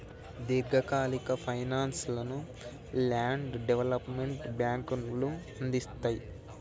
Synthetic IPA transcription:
d̪iɾɡʱɐkaːlikɐpʰɐjnaːnslɐnu | laːɳɖɖeʋɐlɐpmeɳʈbjaːŋkunlu | ɐnd̪ist̪aːji

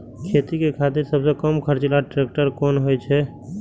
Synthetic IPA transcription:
kʰeːt̪ikekʰat̪iɾsəbsekəmkʰəɾt͡ʃlaʈɾeːk̚ʈəɾkɔːnɦojt͡ʃʰɛ

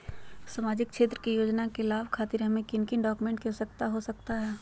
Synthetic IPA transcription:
samaːd͡ʒɪk̚kʃeːt̪ɾəkijoːd͡ʒnakelaːbkʰaːt̪ɪɾɦɐmẽkɪnkɪnɖɔːkumẽːɳʈkɛsək̚t̪aɦosɐkt̪aɦɛː

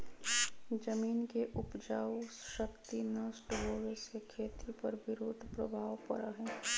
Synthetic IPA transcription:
d͡ʒəmiːnkeʔʊpd͡ʒaːwʃəkt̪inɐsʈɦoːʋesekʰeːt̪ipɐɾʋɪɾoːd̪ʱpɾɐbʱaːʋpɐ̰ɾaɦɛː

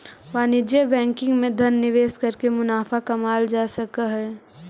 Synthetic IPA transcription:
ʋaːnɪd͡ʒebɛ̃ːŋkɪ̃ŋɡmẽd̪ʱɐnːɪʋeːskɐɾkemʊnaːfakɐmaːld͡ʒaːsɐkaɦɛː

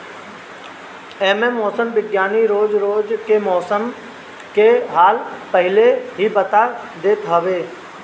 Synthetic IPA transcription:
eːmẽmɔːsəmʋɪɡjaːniɾoːd͡ʒɾoːd͡ʒkemɔːsəm | keɦaːlpɐɦɪleɦibɐt̪ad̪eːt̪ɦɐʋeː

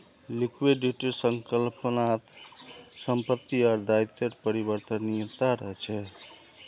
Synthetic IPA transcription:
likweɖiʈsəŋkəlpənat̪ | səmpət̪ːiaɾd̪ait̪eʈpəɾibəɾt̪ənijət̪aɾəɦɛt͡ʃʰɛ

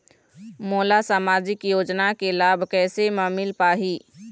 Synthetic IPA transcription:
moːlasaːmaːd͡ʒɪkjoːd͡ʒnakelaːbʱkɛːsemaːmɪlpaːɦiː

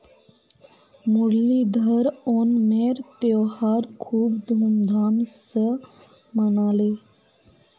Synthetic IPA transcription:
muɽlid̪ʱəɾɔnmeɾt̪ewhaɾkʰuːpd̪ʱumd̪ʱamsə | mənale

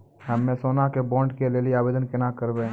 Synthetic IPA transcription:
ɦɛmːẽsoːnakebɔ̃ːɳɖkeleːlieaːbeːd̪ənkɪnakəɾbẽ

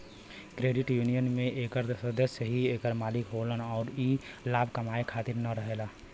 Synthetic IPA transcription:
kɾeːɖɪʈjuːnijənmẽʔeːkəɾd̪səd̪əsjəɦieːkəɾmaːlɪkɦolənɔːɾilaːbʱkəmaːekʰaːt̪ɪɾnəɾəɦeːlaː

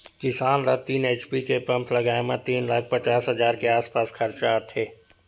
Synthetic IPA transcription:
kɪsaːnɾat̪iːneːt͡ʃpikepɐ̃mplɐɡaːemãt̪iːnlaːk̚ʰpɐt͡ʃaːsɦɐzaːɾkeaːspaːskʰɐɾt͡ʃaːt̪ʰeː

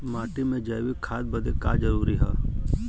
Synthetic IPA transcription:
maːʈimẽd͡ʒəjʋikʰːaːd̪̚bɐd̪eka̰ːd͡ʒɐɾuːɾiɦɛː

